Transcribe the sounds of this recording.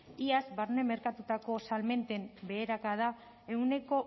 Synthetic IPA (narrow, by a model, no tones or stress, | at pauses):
iazbaɾne̞me̞ɾkat̪ut̪ako̞salme̞nt̪e̞mbe̞ːɾakað̞a | e̞wne̞ko̞